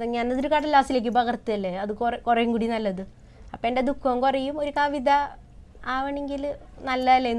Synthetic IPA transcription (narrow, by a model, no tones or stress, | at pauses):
ðɐɲɐnːɐðɾukaːɽɐlaːsile̞ːk̬ʲːupɐɣɐrt̪ːiɐlːeɐðɨkrkurɐjumkuːɽinɐlːɐðɨ | ɐpːoeɳded̪ukʰːɐmkurɐjumo̞ɾukɐʋid̪ɐ | aːʋɐɳeŋɡilnɐlːɐɐlːenː